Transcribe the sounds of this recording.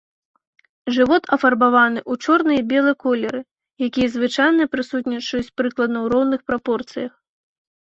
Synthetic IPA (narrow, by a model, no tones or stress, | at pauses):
ʐɨvɔt̪ɐfɐrbavanɨʔut͡ʂɔrnɨjɐbʲɛlˠɨjkɔlʲɛɾɨ | jakʲijɐzvɨt͡ʂajnɐpɾɨsut̪ʲnʲit͡ʂɐjut͡sʲpɾɨklˠɐd̪nɐwɾɔwnɨxpɾapɔrt̪sɨjɐx